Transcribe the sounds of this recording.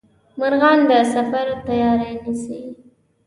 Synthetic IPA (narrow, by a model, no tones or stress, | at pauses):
maɾɣɑnd̪əsafaɾot̪ajɑɾanisi